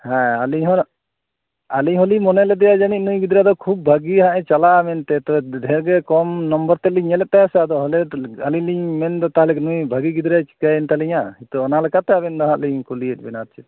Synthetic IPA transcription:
hɛ̃aliɲɦɔɾ | aliɲɦɔlimɔnɛlɛd̪ɛjad͡ʒanic̪̚ˀnujɡid̪ɾad̪ɔkʰub̚bʱaɡiɦãʔɛ̃t͡ʃalamɛnt̪ɛt̪ɛbɛd̪ʱɛɾɡɛkɔmnɔmbɔɾt̪ɛliɲɛlɛt̪̚t̪ːɛasad̪ɔɦɔlɛaliliɲmɛnd̪ɔt̪aɦalɛkɛnujbʱaɡiɡid̪ɾat͡ʃi̥kajɛnt̪aliɲahit̪ɔɔnalɛkat̪ɛabɛnd̪ɔɦãʔliɲkuliəc̚ˀbɛnat̪̚t͡ʃʰit̪̚

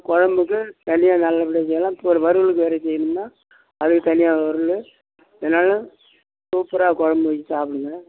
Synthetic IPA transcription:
kɔɻɐmbɯk̬ːɯt̪ɐnɪjaːnɐlːɐpɪɽɐsɛjɐlãːɪpːoɔɾɯʋɐɾɯɭɯk̬ːɯʋeːɾɐsɛjːɪnɯmnaː | ɐðɯkːɯt̪ɐnɪjaːɐɾɯl | ɛnːaːlɐ | suːpɾaːkɔɻɐmbɐʋɐt͡ʃːisaːpɪɽɯŋɡɐ

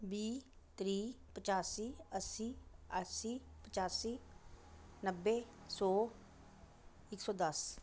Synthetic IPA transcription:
biː | t̪ɾiː | pət͡ʃaːsiːəsiːəsiːpət͡ʃaːsiː | nəbːeːsɔː | ɪksɔ̃ːd̪əs

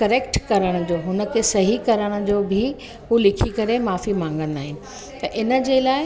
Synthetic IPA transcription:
kɐɾeːkʈkɐɾəɽ̃ʊ̆d͡ʑoːɦʊnə̆kʰeːsɐɦikɐɾəɽ̃ʊ̆d͡ʑoːbʱɪ | ɦulɪkʰikɐɾemaːfimãːŋ̆ɡəɽ̃ɪ̆aːɦɪnɪ̆ | t̪ɐʔɪnə̆d͡ʑelaːɪ

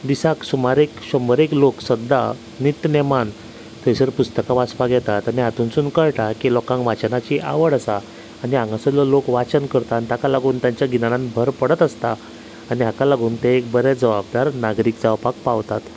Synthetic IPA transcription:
d̪isaksumaɾekɕɔmbəɾekloksəd̪ːa | nit̪nɛman | t̪əsəɾpust̪əkaʋaspaɡʱjɛt̪at̪aniɦat̪uːnsuːnkəɭʈakilɔkãŋkʋat͡ɕnat͡ɕiʔa̰ʋəɽəsaː | niãŋɡasəlɔlokʋat͡ɕənkəɾt̪aːnit̪akalaɡuːnt̪jaɲt͡ɕjaɡʱinaɽãnbʱəɾpəɽət̪əst̪aː | niakalaɡuːnt̪eek̚bəɾɛd͡zəʋab̚d̪aɾnaɡɾiːk̚d͡zaʋpak̚paʋt̪at̪

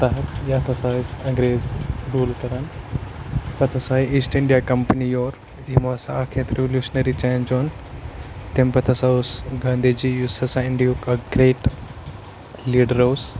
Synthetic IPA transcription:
t̪aɦɐt̪jaːt̪ʰɐsaːisɐ̃ŋɡɾeːzɾuːlʈɐɾaːn | pɐt̪ʰɐsaːiiːsʈɪɳɖijakɐmpɐnijoːɾ | imosãaːkʰeːt̪ɾeʋljuːʃnɐɾit͡ʃaːnd͡ʒoːn | t̪ẽmpɐt̪ʰɐsaʊsɡaːnd̪ed͡ʒijusɐsãɪ̃ɳɖijokɐɡɾeːʈ | liːɖəɾɐws

